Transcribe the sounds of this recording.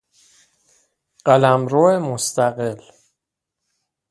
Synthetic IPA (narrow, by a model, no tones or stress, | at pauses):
ɢ̥ælæmɾoːemost̪æɣel